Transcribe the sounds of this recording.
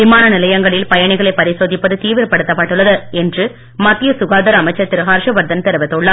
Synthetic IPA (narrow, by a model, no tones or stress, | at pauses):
ʋɪmaːnɐnɪlɐjɐŋɡɐɭɪlpɐjɐɳɪɣɐɭɐɪpɐɾɪsoːðɪpːɐðɯt̪iːʋɪɾpɐɽɯt̪ːɐpːɐʈːɯɭːɐðɐɛndrɯ | mɐt̪ːɪjɐsʊɣaːd̪ɐɾɐmɐɪt͡ʃːɐɾt̪ɪɾɯɣaːɾʂɐʋɐɾd̪ɐnt̪ɛɾɯʋɐt̪ːɯɭːɐ